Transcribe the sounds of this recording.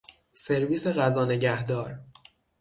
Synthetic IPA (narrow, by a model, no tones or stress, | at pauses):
se̞ɾviːse̞ɣæzɒːne̞ɟæhd̪ɒːɾ